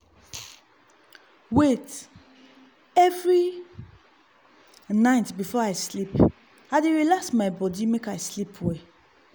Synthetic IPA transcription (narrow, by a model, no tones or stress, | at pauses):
wet | ɛvɹi | naɪtbifɔaɪslip | aɪdeɹilaksmaɪbɔdimekaɪslipʰwɛ